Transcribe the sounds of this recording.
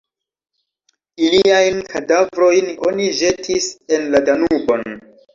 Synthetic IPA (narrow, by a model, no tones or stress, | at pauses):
iliajnkʰadavɾo̞jno̞niʒe̞tʰise̞nladanubo̞n